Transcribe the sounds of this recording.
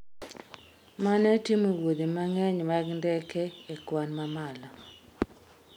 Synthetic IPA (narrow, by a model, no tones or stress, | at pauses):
manɛtimowod̪imaŋɛɲmaɡndɛkɛekwanmamalɔ